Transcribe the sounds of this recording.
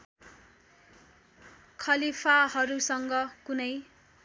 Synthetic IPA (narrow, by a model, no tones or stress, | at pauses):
kʰʌlipʰaɦʌɾusʌŋɡʌkunʌj